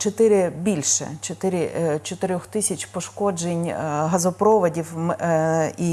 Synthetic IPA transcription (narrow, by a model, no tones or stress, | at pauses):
t͡ʃɔt̪ɪɾɪbʲilʲʃɛ̰t͡ʃɔt̪ɪɾʲɪt͡ʃɔt̪ɪɾʲɔxt̪ɪsʲɐt͡ʃʲpɔʃkɔd͡ʒenʲɦɐzɔpɾɔʋɐdʲiw | i